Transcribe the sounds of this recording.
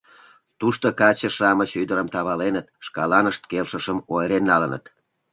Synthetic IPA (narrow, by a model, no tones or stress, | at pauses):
t̪uʃt̪okɑt͡ɕəʃɑmət͡ɕyd̪əɾəmt̪ɑβɑlenət̪ʃkɑlɑnəʃt̪kelʃəʃəmojeɾenːɑlənə̰t̪